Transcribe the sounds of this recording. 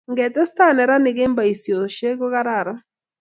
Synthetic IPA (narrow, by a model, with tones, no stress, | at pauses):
ŋɡɛ˨tɛ˦sta˦˨nɛ˨ɾa˦nɪ˨ɡe˦mba˨i˨sjo˨ʃe˦ɡo˦ɣa˦ɾa˨ɾa˦